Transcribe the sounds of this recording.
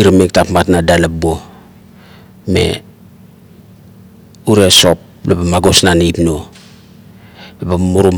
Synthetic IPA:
iɾamektapmatnadalabo | me̞̰ | uɾeso̞p̚ | lobamaɡo̞snanipno | ebamuɾum

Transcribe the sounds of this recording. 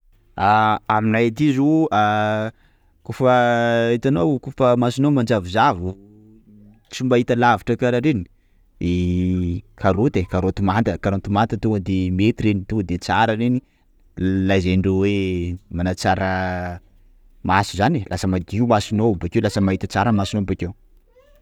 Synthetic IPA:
aaminajt̪izua | kufəit̪anowkufəmasinomand͡ʒavizavu | t͡sumbaɦit̪əlaviʈ͡ʂəkaɾaɾeni̥ | e | kʰaɾot̪ekaɾot̪umant̪əkaɾot̪umant̪ət̪uad̪emet̪iɾenit̪ud̪et͡saɾəɾeni | lajzeɳɖ͡ʐewemanat͡saɾə | masu̥zanilʔasəmaɡimasinobakewlasəmaɦit̪at͡saɾəmasinobakew

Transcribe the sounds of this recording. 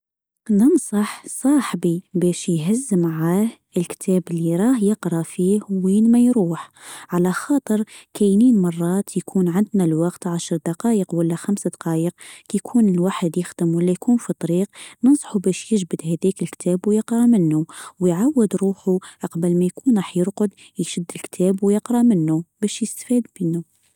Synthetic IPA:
nənsˤɑħsˤɑːħbibæʃjɦæzːəmʕaːh | əlkt̪ʰæːbəlːiɾˤɑːhjəqɾˤɑfiːhwiːnmæjɾuːħʕalæxɑːt̪ˤəɾkæjniːnmɑrˤːɑːt̪jkʰuːnʕand̪nælwɑqt̪ʕaʃɾˤd̪ɑqɑːjəqwəlːæxæmsad̪ɑqɑːjəqjkʰuːnəlwaːħəd̪jəxd̪əmwəlːæjkunfit̪ˤɑɾiqnənsˤħubæʃjəʒbəd̪hæd̪ækəlkt̪ʰæbwjəqɾˤɑmənːuwjʕawːəd̪ɾuːħuʔɑqbəlmæjkʰuːnɾˤɑːħjəɾqʊd̪ | jʃəd̪ːəlkt̪ʰæbwjəqɾˤɑmənːubæʃjəst̪fid̪bənːu

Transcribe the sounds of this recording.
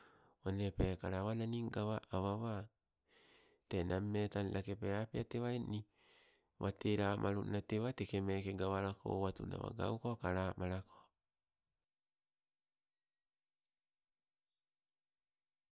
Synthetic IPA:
onepekaɾaβananiŋɡaβaʔaβaβa | tenamːetanlakepeapiateβaeni | βateɾamʔaɾunateβatekemekeɡaβaɾakʰo̰βatṵna̰βa̰ɡa̰wkokaɾaːmaɾako̥

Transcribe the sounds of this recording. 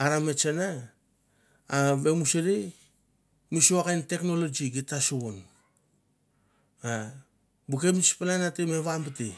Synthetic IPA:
aɾamet͡ʃena | βe̞museɾi | misuakajntekno̞lod͡ʒiɡitasuon | a | bukemit͡ʃpananatemeβambiti

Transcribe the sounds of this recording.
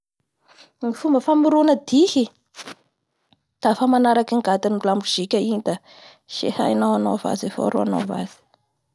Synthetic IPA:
ŋifumbəfamiɾunəd̪ihi | d̪̥afamanaɾakiŋɡat̪inlambuz̥ikʲaiɲid̪a | ʃḛha̰jnawanova̰zefo̰ɾo̰a̰no̰va̰z̥i̥

